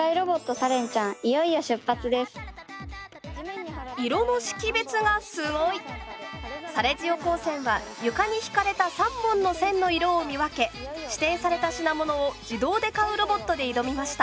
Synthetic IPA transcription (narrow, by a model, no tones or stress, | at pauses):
aiɾo̞bo̞t̪ːo̞saɾẽ̞ɲ̟t͡ɕãŋ̃ijo̞ijaɕɨpːat͡sɨd̪e̞sɨ̥ | iɾo̞no̞ɕi̥kʲibe̞t͡sɨɡasɨɡo̞i | saɾe̞d͡ʑio̞ko̞ːsẽ̞ɰ̃βa | jɯ̟kaɲ̟içi̥kaɾe̞t̪asãmbõ̞nːo̞sẽ̞nːo̞iɾo̞ːmʲiβake̞ɕi̥t̪ẽ̞ɰ̃saɾe̞t̪aɕinamo̞no̞ːd͡ʑid̪o̞ːd̪e̞kaɯ̟ɾo̞bo̞t̪ːo̞d̪e̞id̪o̞mʲimaɕi̥t̪a